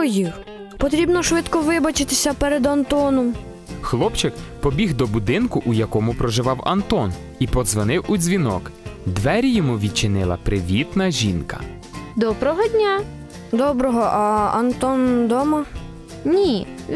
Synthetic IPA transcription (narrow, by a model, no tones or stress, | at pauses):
jix | pɔt̪ɾʲibnɔʃʋɪt̪kɔʋɪbɐt͡ʃɪt̪ɪsʲɐpɛɾed̪ɐnt̪ɔnɔm | xlˠɔpt͡ʃɪkpɔbʲiɦd̪ɔbʊd̪ɪnkʊʔujɐkɔmʊpɾɔʒɪʋɑwɐ̰nt̪ɔn | ipɔzʋɔnɪwudzʲʋʲinɔ̰kd̪ʋɛɾʲijɔmuʋʲid̪̚t͡ʃɪnɪlˠɐ̰pɾɪʋʲit̪nɐʒʲinkɐ̥̰ | d̪ɔbɾɔɦɔd̪ʲnʲa | d̪ɔbɾɔɦɔʔɐɐnt̪ɔnd̪ɔmɐ | nʲi